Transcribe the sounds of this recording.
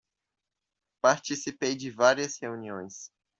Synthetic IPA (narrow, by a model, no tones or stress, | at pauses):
paɾt͡ʃisipejd͡ʒɪvaɾiɐsheuniõj̃s